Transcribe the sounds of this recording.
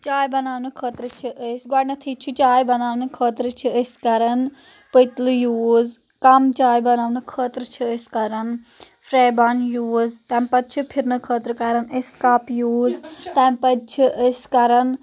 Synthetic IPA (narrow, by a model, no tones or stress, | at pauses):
t͡ʃaːjbɐnaːʋnɨkʰəːt̪ɾt͡ʃʰiʔəsɡwaːɽnɐt̪ʰiːt͡ʃʰut͡ʃaːjbɐnaːʋnɨkʰəːt̪ɾt͡ʃʰiəskɐɾɐn | pəjt̪lɨjuːz | kɐmt͡ʃaːjbɐnaːʋnɨkʰəːt̪ɾət͡ʃʰəəskɐɾɐn | pʰɾeːbaːnjuːzt̪ɛːmpɐt̪̚t͡ʃʰɨpʰiɾnɐkʰəːt̪ɾkɐɾɐnəskaːpjuːzt̪ɛːmpɐd̪t͡ʃʰiʔəskɐɾɐn